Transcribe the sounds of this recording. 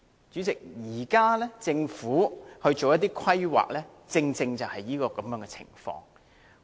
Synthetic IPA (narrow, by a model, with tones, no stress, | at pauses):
t͡ʃy˨˥t͡sɪ˨k̚jiː˨˩kaː˥lɛː˥t͡sɪ˧ŋfuː˨˥hɵ˧ɥt͡ʃo˨wjɐ˥t̪̬iː˥kʰɐ˥jwa̰ː˨k̚lɛː˥ | t͡sɪ˧ŋt͡sɪ˧ŋt͡sɐ˨whɐ˨jjiː˥kɔː˧kɐ˨˦mjœː˨˥ŋkɛ˧t͡sʰɪ̰˨˩ŋfɔ̰ː˧ŋ